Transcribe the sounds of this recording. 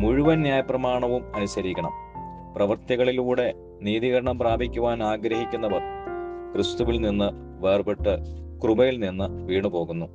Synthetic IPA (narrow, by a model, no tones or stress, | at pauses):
muɻuʋɐnjaːjɐprɐmaːɳɐʋumɐnusɐɾikʲːɐɳɐ̰m | prɐʋɐrt̪jɐɣɐɭiluːɽe̞ | niːðiɣɐɾɐɳɐmpraːbʱikʲːuʋaːnaːɡɾɐɦikʲːunːɐʋɐrkrɨst̪uʋilninːɨ | ʋe̞ːrbeʈːɨkrubɐjilninːɨʋiːɳɨpo̞ːɣunːu